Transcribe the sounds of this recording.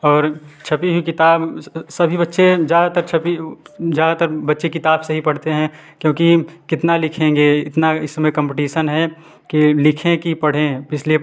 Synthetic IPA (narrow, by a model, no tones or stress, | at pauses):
ɔːɾt͡ʃʰɐpiɦuikɪt̪aːbsɐbʱibɐtːʃezjaːd̪at̪əɾt͡ʃʰɐpizjaːd̪at̪əɾbɐtːʃekɪt̪aːbsɐɦipɐɽ̤t̪eɦɛ̃ | kjõːkikɪt̪nalɪkʰẽːŋɡeɪt̪naɪsːmẽkə̃mpɪʈiːʃənɦɛ | kilɪkʰẽkipɐɽ̤ẽɪslie